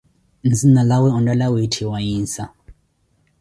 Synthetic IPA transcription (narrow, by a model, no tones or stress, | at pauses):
nd͡zinalawɛɔ̃ndalawitʰiwajiːnsa